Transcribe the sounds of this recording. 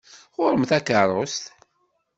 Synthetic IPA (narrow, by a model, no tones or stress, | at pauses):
ʁʊɾəmθækərˤost̪